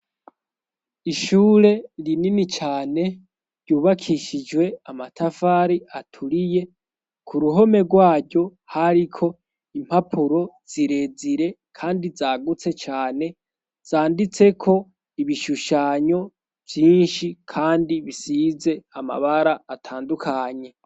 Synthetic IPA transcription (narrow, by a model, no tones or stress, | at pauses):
iʃuːɾe̞ɾininit͡ʃaːne̞ | ɾɟuːβakʰiʃid͡ʒwe̞amatʰafaɾiatʰuɾije̞ | kʰuɾuɦo̞me̞ɡwaːɾɟo̞ | haɾikʰo̞ | im̥hapʰuɾo̞z̥iɾe̞ziɾe̞kʰaːndizaːɡut͡se̞t͡ʃaːne̞ | z̥aːndit͡se̞kʰo̞ | iβiʃuʃaɲo̞ | v̥jiːnʃikʰaːndiβisize̞ama̰βaɾaːtʰaːndukʰaɲe̞